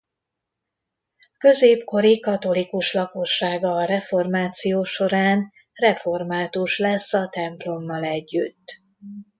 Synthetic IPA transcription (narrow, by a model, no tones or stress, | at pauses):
kø̞zeːpko̞ɾikɒt̪o̞likuʃlɒko̞ʃːaːɡɒːɾɛfo̞rmaːt̪sijoːʃo̞ɾaːn | rɛfo̞rmaːt̪uʃlɛsːɒt̪ɛmplo̞mːɒlɛɟːy̰t̪ː